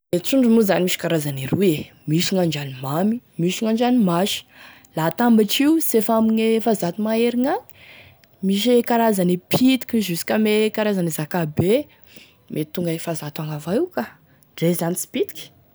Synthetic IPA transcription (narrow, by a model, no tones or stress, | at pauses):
et͡suɳɖ͡ʐumuzanimiʃikaɾazaniɾue | miʃiŋaɳd͡ʒanimamimiʃiŋand͡ʒanimaʃi̥ | lat̪ambaʈ͡ʂiusefamiɲefazat̪umaeɾiŋaŋ | miʃ̬ekaɾazanipʰit̪i̥kʲizusi̥kʲamekaɾazanizakabe | mʔet̪uŋɡafazat̪aŋavauka | ɖ͡ʐezanit͡si̥pit̪i̥kʲi̥